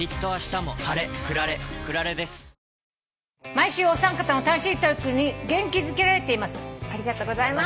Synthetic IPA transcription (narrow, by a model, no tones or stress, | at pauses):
it̪ːo̞βaɕi̥t̪amo̞haɾe̞kɯ̟ɾaɾe̞kɯ̟ɾaɾe̞d̪e̞sɨ̥ | maiɕɨːosãŋkat̪ano̞t̪aɕiːt̪oikɯ̟ɲ̟iɡẽ̞ŋkʲizɨke̞ɾaɾe̞t̪e̞imasɨ̥aɾʲiɡat̪oːɡo̞zaima